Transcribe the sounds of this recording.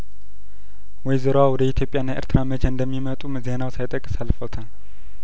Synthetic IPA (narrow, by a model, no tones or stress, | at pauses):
wɔjzɨɾowawɔd̪əit̪ʰjo̞pʼjanːajʔə̰ɾt̪ʰɨɾamət͡ʃʰɛɨnd̪əmːimət̪ʼumzenawsajt̪ʼəkʼːɨ̥salfət̪ʰan